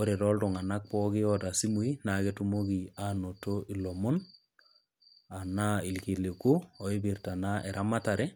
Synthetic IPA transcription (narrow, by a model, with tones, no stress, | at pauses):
o˦ɾe˨ɾɔ˦lto˨ŋa˨na˦k̚pɔ˦kɪ˦jɔta˨si˦mu˦i˦na˨ke˦tu˦mo˦ɡi˨a˦no˨to˦ʔi˨lo˨mo˦n | a˨na˦i˨lki˨le˨ku˦o˨i˦bi˨ɾta˨na˦ʔɛ˨ɾʔa˦ma˦ta˨ɾe˦